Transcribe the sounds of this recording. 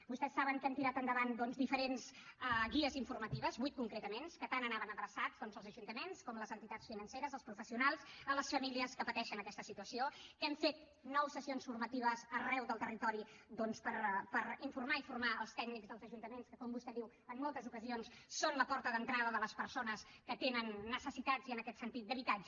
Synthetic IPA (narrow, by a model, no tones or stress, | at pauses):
bust̪ɛsːaβəŋkɛnt̪iɾat̪ənd̪əβand̪ɔnzd̪ifəɾenzəɣiəziɱfuɾrmət̪iβəzbuijt̪̚kuŋkɾet̪əmenskət̪anənaβənəðɾəsazd̪ɔnzəlˠzəʒunt̪əmenskɔmləzənt̪it̪at͡ssfinənseɾəzəlˠspɾufəsiunalˠsələsfəmiliəskəpət̪ɛʃənəkɛst̪əsit̪uəsiokɛɱfet̪ | nɔwsəsionsfurmət̪iβ̞əzərɛwðəlˠt̪ərit̪ɔɾid̪ɔnspəɾpəɾiɱfurmaifurmaəlˠst̪ɛɡnikzðəlˠzəʒunt̪əmenskəkɔmbust̪ɛðiw | əmːɔlˠt̪əzukəzionsːonləpɔɾt̪əðənt̪ɾaðəðələspəɾsonəskət̪enənːəsəsit̪ad͡ziənəkɛt̪sənt̪it̪̚əβit̪ad͡ʒ